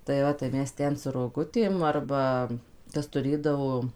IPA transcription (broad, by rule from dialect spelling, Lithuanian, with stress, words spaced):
tɐɪ ˈʋɐ tɐɪ ˈmʲɛs ˈtʲɛn sʊ roːˈɡʊtʲeːm ˈɐrbɐ ˈkɐs tʊˈrʲeːdɐʋoː